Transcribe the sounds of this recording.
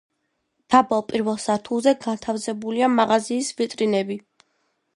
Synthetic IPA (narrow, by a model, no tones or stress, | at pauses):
d̪̥abalˠpʼiɾvɛlˠsaɾt̪ʰulˠzɛɡant̪ʰafzɛbuliamaʁaziːsvit̪ʼɾinɛbi